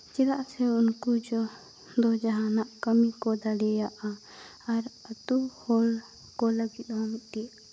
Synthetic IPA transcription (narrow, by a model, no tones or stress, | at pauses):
t͡ʃɛlaʔsɛunkud͡ʒɔ | d̪ɔd͡ʒaɦanaʔkəmikɔd̪aɽɛjaʔa | aɾət̪uhɔl | kɔləɡit̪̚hɔ̃mit̪̚ˀʈi